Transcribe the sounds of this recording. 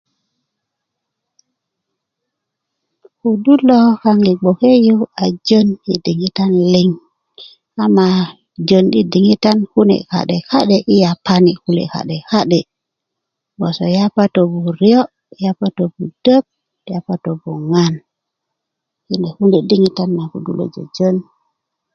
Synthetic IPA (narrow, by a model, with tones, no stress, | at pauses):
ku˨du˦lo˦ka˦ŋɡi˨ɡ͡bo˨ke˦ju˦a˨d͡ʒo˦njḭ˨di˨ŋi˦ta˦nli˦ŋ | ka˦ma˨ | d͡ʒo˨nɗi˨di˨ŋi˦ta˦nhu˦nḛ˨ka̰˨ɗe˨ka˦ɗe˨ʔi˦ja˨pːa˦ni˨ku˦lḛ˨ka̰˨ɗe˨ka˦ɗe˨ | bo˨so˨ja˦pa˦to˨bu˨ɾi˦o˦ | ja˦pa˦to˨bu˨d̥ə˦p̚ | ja˦pːa˦to˨bu˨ŋa˦n | ki˦ne˨hu˦ne˨di˦ŋi˦ta˦nːa˨kṵ˨dṵ˦lo̰˨d͡ʒo̰˨d͡ʒo˦n